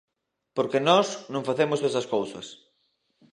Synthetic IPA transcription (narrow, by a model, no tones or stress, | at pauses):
poɾkenɔsnõŋfaθemozðesɐskowsɐ̰s